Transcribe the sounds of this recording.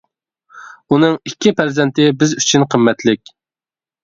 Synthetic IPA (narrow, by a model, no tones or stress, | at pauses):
unɨŋikʲːipʰæɾzɛnt̪ɪbɪzyt͡ʃʰynqʰəmːɛt̪lɪk̚ʲ